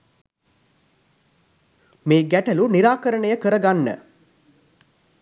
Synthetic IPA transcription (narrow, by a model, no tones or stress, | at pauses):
meːɡæʈɐluniɾaːkəɾəɳəjəkəɾəɡanːə̰